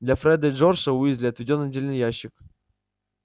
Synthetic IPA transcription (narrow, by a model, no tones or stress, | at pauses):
d̪lʲɐfɾɛd̪əʐorʂəʊizʲlʲɪɐt̪vʲɪdʲonːədʲelʲnɨjæɕːɪk